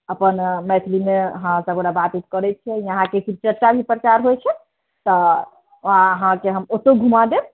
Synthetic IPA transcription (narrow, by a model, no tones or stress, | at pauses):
əpənmɛt̪ʰlimeɦãsəbɽabat̪it̪kəɾɛt͡ʃʰɛiəɦãkekʰiɾt͡ʃəɾt͡ʃabʱipɾət͡ʃaɾɦojt͡ʃʰɛ | t̪ɔ | ɦãɦãkeɦəmot̪oɡʱumad̪eb̚